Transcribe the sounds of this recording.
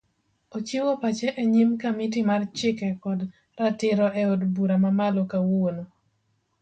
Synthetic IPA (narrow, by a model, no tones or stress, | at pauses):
ot͡ʃiwopat͡ʃɛʔeɲimkamitɪmart͡ʃɪkɛkɔd | ɾatɪɾɔɛodbuɾamamalɔkawono